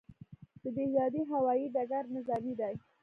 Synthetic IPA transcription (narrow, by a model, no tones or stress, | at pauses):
d̪̥əd̪ejɑd̪iɦawɑjiɖaɡaɾnɪzɑmid̪aj